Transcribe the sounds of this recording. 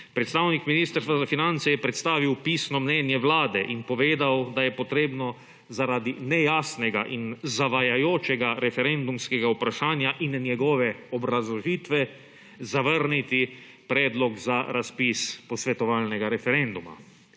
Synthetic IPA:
pɾɛt̪st̪aːwnikminist̪əɾsʋazafinant̪sɛjɛpɾɛt̪st̪aːʋiwpiːsnɔmnɛːnjɛʋlaːd̪ɛʔinpɔʋeːd̪awd̪ajɛpɔt̪ɾeːbnɔ | zaɾad̪inɛjaːsnɛɡa̰ʔinzaʋajajoːt͡ʃɛɡaɾɛfɛɾɛnd̪umskɛɡaupɾaʃaːnjaʔinnjɛɡɔːʋɛɔbɾazlɔʒit̪ʋɛ | zaʋəɾnit̪i | pɾɛːd̪lɔɡzaɾaspispɔsʋɛt̪ɔʋaːlnɛɡaɾɛfɛɾɛnd̪uma̰

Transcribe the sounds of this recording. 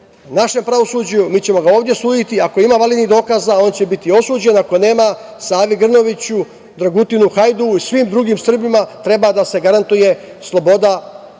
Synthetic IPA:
naʃe̞mpɾaʋo̞suːd͡ʑajumiːt͡ɕe̞mo̞ɡao̞ːʋd̪ʲje̞suːjit̪iako̞imaːʋaled̪nid̪o̞ːkazao̞ːnt͡ɕe̞bit̪io̞suːd͡ʑe̞nako̞ne̞ːmasaːʋiɡr̩no̞ʋit͡ɕu | d̪ɾaɡut̪inuxajd̪uisʋiːmd̪ɾuɡiːmsr̩bimat̪ɾe̞bad̪ase̞ɡaɾant̪uje̞ | slˠo̞bo̞d̪a

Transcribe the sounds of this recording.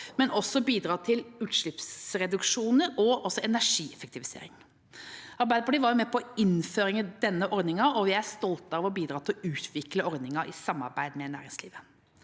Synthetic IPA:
mɛnɔsːɔbiːd̪ɾɑːt̪ʰɪlʉːt̪ʂɭɪpsɾɛd̪ʉkʂuːnəɾɔʔɔsɔɛnæʂiːɛfək̚t̪ɪʋɪsḛːɾɪŋ | ʔɑɾbæɪd̪əpʰɔɖ̪iːʋɑɾjʊmɛpʰɔɪnføːɾɪŋəd̪ɛnːəʔɔɾd̪nɪŋɑɔʋɪæst̪ɔlt̪ɑʋɔbiːd̪ɾɑːt̪ɪlɔʔʉːt̪ʰʋɪkləɔɾd̪nɪŋɑɾʔɪ̰sɑmːɑ̰ɾbæɪd̪mɛnæ̰ːɾɪŋslḭːʋə

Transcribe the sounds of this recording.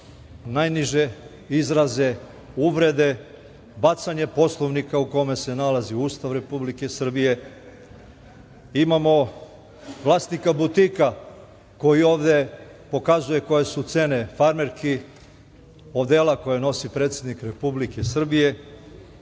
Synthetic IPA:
najniʒe | izɾaze̞ | uʋɾe̞d̪e̞ | bat̪saɲe̞po̞slˠo̞ʋnikauko̞me̞se̞nalaziuːst̪aʋɾe̞publike̞sr̩bije̞ | imamo̞ | ʋlˠaːsnikabut̪ika | ko̞jio̞ːʋd̪e̞ | po̞kazuje̞ko̞je̞sut̪se̞ne̞faɾme̞ɾki | od̪elako̞jeno̞sipɾe̞t̪sʲed̪nikɾe̞publikesr̩bije̞

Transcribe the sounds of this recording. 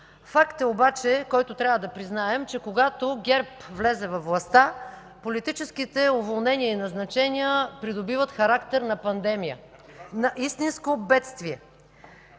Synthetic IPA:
fakt̪ɛobat͡ʃɛkɔjt̪ʊt̪ɾʲjavəd̪ɐpɾiznaɛmt͡ʃɛkoɡat̪oɡʲɛɾpvlɛzɛvɐfvlˠɐst̪a | polit̪it͡ʃɛsk̟it̪ɛʊvolˠnɛniəinɐznɐt͡ʃɛnʲiəpɾid̪obivət̪xɐɾakt̪ɛɾnɐpɐnd̪ɛmijə̰ | nɐʔist̪inskobɛt̪st̪viɛ

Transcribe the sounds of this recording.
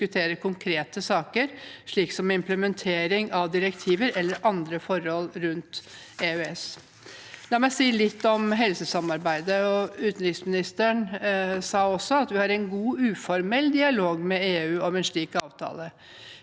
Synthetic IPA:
ʉt̪ʰeːɾəkʰʊŋkʰɾeːt̪əsɑːkəɾʂɭiːksɔmɪmpləmɛnt̪ʰeːɾɪŋɑʋd̪ɪɾəkt̪ʰiːʋəɾɛlːəɾʔɑnd̪ɾəfɔɾhɔlɾʉnt̪ | eːøɛs | d̪ɑmæsiːlɪt̪ːɔmɦɛlsəsɑmɑɾbæɪd̪əɔʉːt̪nɾɪksmɪnɪst̪əɳsɑːɔsːɔɑt̪ʋɪhɑɾɛnɡuːʉːfɔɾmɛlːd̪ɪɑloːɡmɛeːʉːɔmɛnʂɭiːkɑːʋt̪ʰɑ̰ːlə

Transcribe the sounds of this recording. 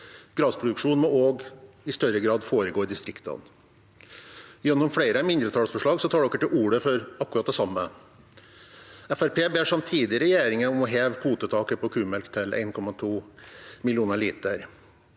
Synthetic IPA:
ɡ̥ɾɑːspʰɾʊd̪ʉkʂuːnmɔoːɡ | ɪst̪œɾəɡɾɑːd̪foːɾəɡoːd̪ɪst̪ɾɪkt̪ʰɑ̰n | jɛnːʊmfɽeɪɾəmɪnd̪ɾət̪ʰɑːlsfɔʂɭɑːɡsɔt̪ʰɑːɖɔkːəʈ̪ɪuːɽəfɔɾɑkːʉɾɑt̪̚d̪ɛsɑmːə | ɛfæɾpʰeːbeːʂɑmt̪ʰiːd̪ɪəɾɛjeːɾɪŋənɔmɔɦeːʋhuːt̪ət̪ʰɑːkəpʰɔkʰʉːmɛlkt̪ʰɪlʔæ̰ɪnkʰɔmɑt̪ʰuːmɪlɪuːnəɭiːt̪əɾ

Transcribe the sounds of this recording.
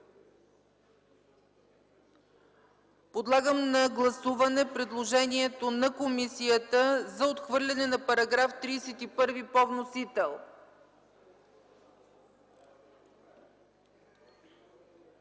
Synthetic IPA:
pod̪lˠaɡəmnɐɡlˠɐsuvɐnɛpɾɛd̪lˠoʒɛniɛt̪onɐkomisijət̪əzɐot̪xvɤɾlʲɐnɛnɐpɐɾɐɡɾaft̪ɾiːsɛt̪ipɤɾvipɔvnosit̪ɛlˠ

